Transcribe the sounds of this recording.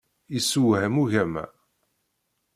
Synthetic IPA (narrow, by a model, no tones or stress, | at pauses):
isuwhəmuʝæmæ̰